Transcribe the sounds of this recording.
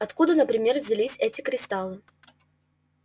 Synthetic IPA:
ɐt̪kud̪ənəpɾʲɪmʲe̞rvʲzʲɪlʲisʲɛtʲɪkɾʲɪst̪alˠɨ

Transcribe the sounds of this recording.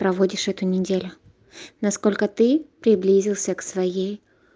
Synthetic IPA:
pɾɐvodʲɪʂɛt̪ʊnʲɪdʲelʲʊ | nɐsko̞lʲkət̪ɨpɾʲɪblʲizʲɪlˠsʲəksvɐjej

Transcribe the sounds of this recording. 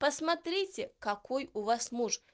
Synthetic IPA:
pəsmɐt̪ɾʲitʲɪkɐkojʊvasmuʂ

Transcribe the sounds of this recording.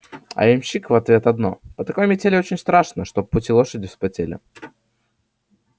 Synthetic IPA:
ɐ̰ɪmʲɕikvɐt̪vʲe̞t̪ɐd̪no̞̰pət̪ɐko̞jmʲɪtʲelʲɪot͡ɕɪnʲst̪ɾaʂnəʂt̪o̞b̚pːʊtʲilˠo̞ʂədʲɪspɐtʲelʲɪ̰

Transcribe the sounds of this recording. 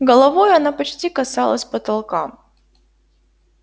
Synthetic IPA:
ɡəlˠɐvojʊɐnapɐt͡ɕtʲikɐsalˠə̰sʲpət̪ɐlˠkam

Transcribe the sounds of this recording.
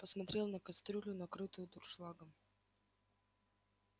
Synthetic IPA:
pəsmɐt̪ɾʲelˠnəkɐst̪ɾʲulʲʊnɐkɾɨt̪ʊjʊt̪ʊrʂlˠaɡə

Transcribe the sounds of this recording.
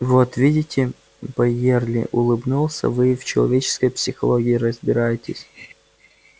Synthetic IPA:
vot̪vʲidʲɪtʲɪ | bɐjerlʲɪ̰ʔʊlˠɨbnulˠsʲə̰vɨft͡ɕɪlˠɐ̰vʲet͡ɕɪ̥skəjpsʲɪxɐlˠoɡʲɪɪɾəzbʲɪɾajɪtʲɪsʲ

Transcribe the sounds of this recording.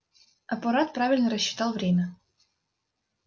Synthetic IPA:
ɐpɐɾat̪̚pɾavʲɪlʲnəɾəɕːɪ̥t̪alˠvɾʲemʲə

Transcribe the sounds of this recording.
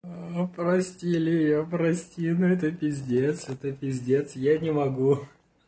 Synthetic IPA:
pɾɐsʲtʲilʲɪjɪjopɾɐsʲtʲinʊɛt̪əpʲɪzʲdʲet̪sɛt̪əpʲɪzʲdʲet̪sjanʲɪmɐɡu

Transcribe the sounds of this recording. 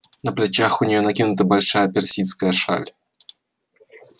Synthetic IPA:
nəplʲɪt͡ɕaxʊnʲɪjonɐkʲinʊt̪əbalʲʂajəpʲɪrsʲit̪skəjəʂa̰lʲ

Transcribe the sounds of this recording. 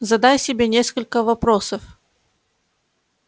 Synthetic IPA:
zɐd̪ajsʲɪbʲenʲe̞skəlʲkəvɐpɾosəf

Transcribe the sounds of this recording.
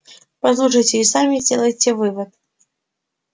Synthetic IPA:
pɐslˠuʂɐjt͡sʲeisamʲid͡zʲɛlˠɐjt͡sʲɛvɨvɐt̪̚

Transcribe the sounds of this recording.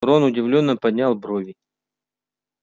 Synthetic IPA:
ɾonʊdʲɪvlʲonːəpɐdʲnʲalˠbɾovʲɪ

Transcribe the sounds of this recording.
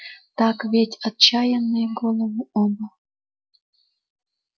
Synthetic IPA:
t̪ɑkβʲetʲɑt̪̚t͡ɕɑjənːeɡolˠəmuobɤ̆

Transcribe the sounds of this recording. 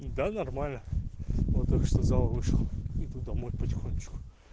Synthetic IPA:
d̪anɐrmalʲnəvɔt̪ːakʂt̪ozalˠəvɨʂlˠəit̪ut̪̚d̪ɐmojpətʲɪxonʲːɪt͡ɕkʊ̥

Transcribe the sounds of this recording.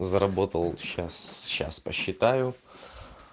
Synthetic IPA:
zəɾɐbo̞t̪əlˠɕasɕːa̰spəɕːɪt̪ajʊ

